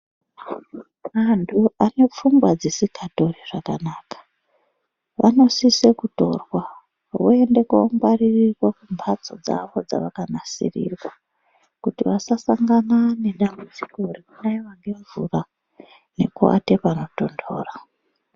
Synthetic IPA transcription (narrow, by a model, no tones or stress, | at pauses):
mantʰuane̞p͡fuŋɡwad͡zesikʰato̞riʐ̥akanaːkḁ | ʋʔa̰no̞sise̞kuto̞̰rwa | ue̞nde̞kuːŋɡaririrwakumbʱat͡so̞̰d͡za̰ʋo̞d͡za̰ʋakanasḭrḭrwa | kutiʋasasaŋɡanane̞ɗambud͡ziko̞rekunaiʋaŋɡe̞ɱvṵra | ne̞̰kua̰tepano̞to̞ndo̞̰ːra